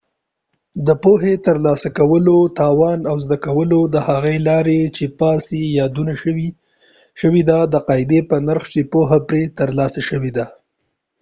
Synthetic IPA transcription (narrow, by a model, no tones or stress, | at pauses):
d̪əpoɦet̪əɾlɑsakawəlot̪ɑwɑnawzd̪akawəlod̪əhaɣelɑɾet͡ʃepɑsejɑd̪unai | ʃəwid̪ad̪əqɑɪd̪epənaɾxt͡ʃepoɦapɾet̪əɾlɑsaʃəwed̪a